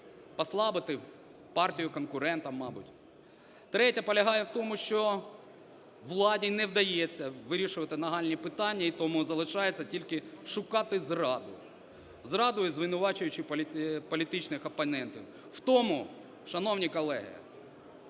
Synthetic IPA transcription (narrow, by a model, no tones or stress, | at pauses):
pɐslˠɑbɪt̪ɪ | pɑrtʲijʊkɔnkʊɾɛnt̪ɐmmːɑbʊ̰tʲ | t̪ɾɛtʲɐpɔlʲɐɦɑjɛwt̪ɔmʊʃt͡ʃɔ | ʋlˠɑdʲinɛwd̪ɐjɛt͡sʲːɐʋɪɾʲiʃʊʋɐt̪ɪnɐɦɑlʲnʲipɪt̪ɑnʲːɐit̪ɔmuzɐlˠɪʃɑjet͡sʲːɐtʲilʲkɪʃʊkɑt̪ɪzrɑd̪ʊ̰ | zrɑd̪ʊjʊzʋɪnʊʋɑt͡ʃʊjʊt͡ʃɪpʲpɔlʲit̪ɪt͡ʃnɪxɐpɐnɛnt̪ʲiw | wt̪ɔmʊ | ʃɐnɔwnʲikɔlˠɛ̰ɦḭɐ̰